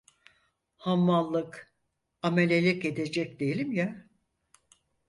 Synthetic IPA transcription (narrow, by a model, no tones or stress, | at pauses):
hamːalˠːɯk | amelʲelʲice̞d̪e̞d͡ʒɛc̚d̪e̞jelʲimja